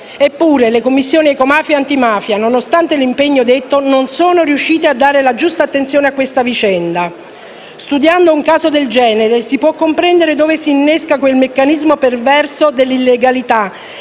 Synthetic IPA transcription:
epːuːɾelekomːisːjoːniɛkomaːfjaant̪imaːfjanonost̪ant̪elimpeɲːod̪et̪ːononsoːnoɾiuʃːiːt̪ead̪ːaːɾelad͡ʒust̪aːt̪ːent̪sjoːneakːwest̪avit͡ʃɛnd̪a | st̪ud̪jand̪ouŋkaːzod̪eld͡ʒɛːneɾesipwɔkːompɾɛnd̪eɾed̪oːvesiːnːeskakwelmekːanizmopervɛrsod̪elːilːeɡalit̪a

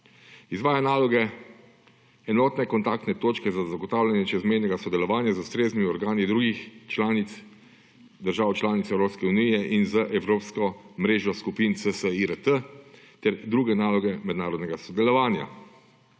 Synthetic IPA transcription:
izʋaːjanaːlɔɡɛ | ɛnɔːt̪nɛkɔnt̪ak̚t̪nɛt̪oːt͡ʃkɛzazaɡɔt̪aːwlʲanjɛt͡ʃɛzmɛjnɛɡasɔd̪ɛlɔʋaːnjazust̪ɾeːznimiɔɾɡaːnid̪ɾuːɡixt͡ʃlaːnit̪s | d̪əɾʒaːwt͡ʃlaːnit̪sɛwɾoːpskɛunijɛʔinzəʔɛwɾoːpskɔmɾeːʒjɔskupint̪səsəiɾət̪ə | t̪ɛɾd̪ɾuːɡɛnaːlɔɡɛmɛd̪naːɾɔd̪nɛɡasɔd̪ɛlɔʋaːnja̰

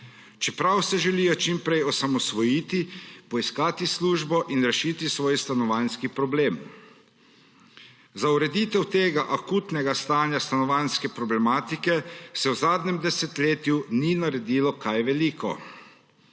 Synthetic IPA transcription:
t͡ʃɛpɾawsɛʒɛliːjɔt͡ʃimpɾɛjɔsamɔsʋɔjiːt̪ipɔiskaːt̪isluːʒbɔʔinɾɛʃiːt̪isʋɔːjst̪anɔʋanskipɾɔbleːm | zauɾɛd̪iːt̪ɛwt̪eːɡaʔakuːt̪nɛɡast̪aːnjast̪anɔʋanskɛpɾɔblɛmaːt̪ikɛsɛwzaːd̪nɛmd̪ɛsɛt̪leːt̪juninaɾɛd̪ilɔkajʋɛlikɔ̰

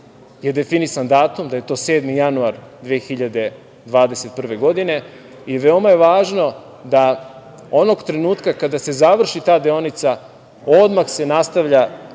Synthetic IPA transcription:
jed̪e̞finisand̪aːt̪umd̪aje̞t̪o̞ːseːd̪mijanuaɾd̪ʋeːxiʎad̪e̞ | d̪ʋaːd̪e̞se̞t̪̚pr̩ʋe̞ɡo̞d̪ine̞ | ijeʋe̞o̞majeʋaːʒno̞ | d̪a | o̞no̞ɡt̪ɾe̞nuːt̪kakad̪ase̞zaʋr̩ʃit̪aːd̪eo̞nit̪sa | o̞d̪maxse̞nast̪aʋʎa

